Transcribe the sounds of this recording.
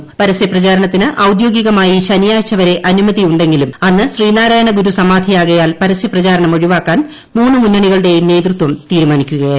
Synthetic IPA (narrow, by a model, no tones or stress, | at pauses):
pɐɾɐsjɐprɐt͡ɕaːɾɐɳɐt̪ːinɨʔɐwd̪jo̞ːɡiɣɐmaːjiɕɐnjaːjt͡ɕːɐʋɐɾe̞ʔɐnumɐðijuɳɖe̞ŋɡilumɐnːɨɕriːnaːɾaːjɐɳɐɡuɾusɐmaːd̪ʱijaːɣɐjaːlpɐɾɐsjɐprɐt͡ɕaːɾɐɳɐmo̞ɻiʋaːkːaːn | muːnːɨmunːɐɳiɣɐɭuɽe̞jmne̞ːd̪rut̪wɐmt̪iːɾumaːnikʲːuɣɐ